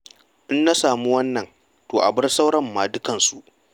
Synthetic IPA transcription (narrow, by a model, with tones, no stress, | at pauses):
ʔɪ˦nːa˦saː˨mu˦wɐ˦nːɐ˨n | toː˨ʔa̰˨bɪ˦rsa˦wɽɐ˦mːaː˨dʊ˦kɐ˨nsu˦ʔ